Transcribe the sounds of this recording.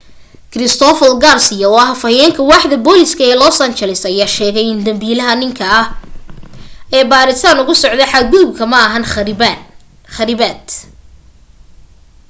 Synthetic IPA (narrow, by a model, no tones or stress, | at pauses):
kʰɾɪst̪ʰɔfɐlɡarsɪjɐɔɐɦɐfɐjɛːŋkʰɐwɑːħd̪ɐbɔːlɪskʰɐɛːlɔːsɐnt͡ʃɛlɪsɐjaːʃɛːɣɛjɪnd̪ɐmbiːlɐɦɐnɪŋkʰɐɐh | ɛːbaːɾɪt̪ʰaːnʊɣʊsɔʕd̪ɛħad̪̚ɡʊðʊb̚kʰɐmɐɐɦɐn | χɐɾɪbaːd̪